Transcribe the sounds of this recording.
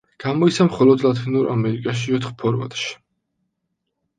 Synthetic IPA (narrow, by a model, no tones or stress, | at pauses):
ɡ̥amɔit̪sʰamχɔlɔd̪lat̪ʰinuɾʔa̰mɛɾikʼaʃ̬iɔt̪χpʰɔɾva̰t̪ʼʃi̥